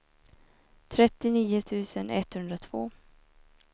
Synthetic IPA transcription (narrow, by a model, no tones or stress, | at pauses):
t̪ʰɾɛt̪ːɪniːʊt̪ʰʉ̟ːsənɛt̪hɵnd̪ɾat̪ʰv̥oː